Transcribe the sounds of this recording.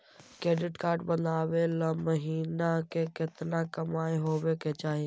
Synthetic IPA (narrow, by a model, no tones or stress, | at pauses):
kɾeːɖɪʈkaːɾɖbə̃nd̪aːʋelaməɦiːnakekɪt̪nakɐmaːeɦoːʋeket͡ʃaːɦie